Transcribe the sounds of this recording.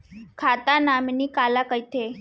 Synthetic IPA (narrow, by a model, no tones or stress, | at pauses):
kʰat̪anamniːkalakajt̪e